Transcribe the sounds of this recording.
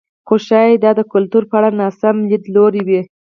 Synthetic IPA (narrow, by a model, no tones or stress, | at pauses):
xoʃɑjd̪ɑd̪əkʊlt̪uɾpəaɽanɑsamlid̪loɾiwi